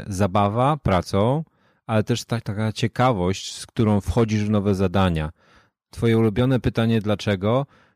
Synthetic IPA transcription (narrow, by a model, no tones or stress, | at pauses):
zabavapɾat̪sɔ̃w̃ | alɛt̪ɛʂt̪at̪akat͡ɕɛkavɔɕt͡ɕskt̪uɾɔ̃w̃fxɔd͡ʑiʐvnɔvɛzad̪aɲa | t̪fɔjɛulubʲjɔnɛpɘt̪aɲɛd̪lat͡ʂɛɡɔ